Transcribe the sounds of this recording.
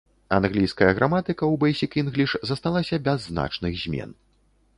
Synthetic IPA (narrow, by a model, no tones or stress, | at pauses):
a̰nɣlʲijskɐjɐɣɾʔamat̪ɨkɐwbajsʲikinɣlʲiʂzɐst̪alˠasʲɐbʲɛzːna̰t͡ʂnɨɣzʲmʲɛ̰n